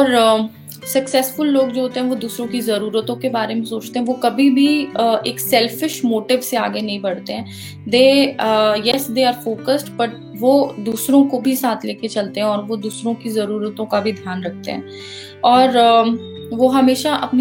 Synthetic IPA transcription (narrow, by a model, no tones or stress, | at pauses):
ɔːɾ | sɐksɛːsfʊlːoːɡd͡ʒoːɦoːt̪eɦɛ̃ʋod̪uːsɾõkizɐɾuːɾət̪õkebaːɾemẽsoːt͡ʃt̪eɦɛ̃ʋokɐbʱibʱiəeːksɛlfɪʃmoːʈɪʋsea̰ːɡenɐɦĩbɐɽ̤t̪eɦɛ̃ː | d̪eː | jɛsd̪eːaːɾfoːkəsʈpɐɾ | ʋod̪uːsɾõkobʱisaːt̪ʰleːket͡ʃɐlt̪eɦɛ̃ɔːɾʋod̪uːsɾõkizɐɾuːɾət̪õkabʱid̪ʱjaːnɾɐk̚ʰt̪ḛɦɛ̰̃ː | ɔːɾ | ʋoɦɐmeːʃaʔɐpni